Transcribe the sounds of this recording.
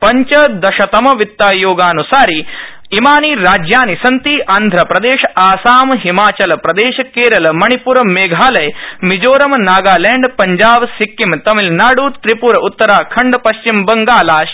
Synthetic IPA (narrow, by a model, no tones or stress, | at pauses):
pɐɲt͡ʃɐd̪ɐʃɐt̪ɐmɐʋit̪ːaːjoːɡaːnusaːɾi | imaːniːɾaːd͡ʒjaːnisɐnt̪iːʔaːnd̪ʱɾɐpɾɐd̪eːʃɐaːsaːmɦimaːt͡ʃɐlɐpɾɐd̪eːʃɐkeːɾɐlɐmɐɳipuɾɐmeːɡʱaːlɐjmid͡ʒoːɾɐmnaːɡaːleːɳɖpɐɲd͡ʒaːʋsikːimt̪ɐmilnaːɽuːt̪ɾipuɾɐut̪ːɐɾaːkʰɐɳɖpɐʃt͡ʃimbɐŋɡaːlaːʃ